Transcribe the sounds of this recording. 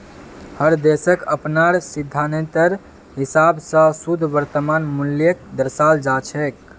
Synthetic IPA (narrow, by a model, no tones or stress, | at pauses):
həɾd̪esəkəpnaɾsid̪ʱːanẽt̪əɾ | ɦisabsə̃sud̪ʱʋəɾt̪əmanmuljək̚d̪əɾsald͡ʒat͡ʃʰɛk̚